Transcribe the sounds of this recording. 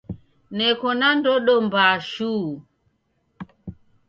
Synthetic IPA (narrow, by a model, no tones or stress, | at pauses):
nɛkɔnandɔɗɔmbaʃuː